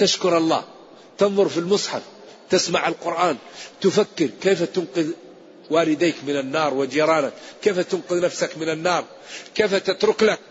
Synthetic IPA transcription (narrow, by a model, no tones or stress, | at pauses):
t̪aʃkʊɾˤɑlˤːɑ̰ː | t̪ɪnðˤʊɾˤfilmʊsˤħɑf | t̪ɪsmaʕalqʊɾʔaːnt̪ʊfakːɪɾkeːfat̪ʊnqɪð | waːlɪd̪aːkmɪnanːɑːɾˤwɪd͡ʒiːɾˤɑːnakːeːfat̪ʊnqʊðnafsakmɪnanːɑːɾˤ | keːfat̪at̪ɾʊklak̚